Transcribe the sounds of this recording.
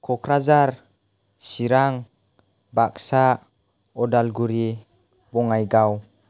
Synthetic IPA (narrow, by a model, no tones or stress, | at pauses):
kʰɔkʰɾazaɾ | siɾaŋ | baksa | ɔdalɡuɾi | bɔŋajɡaw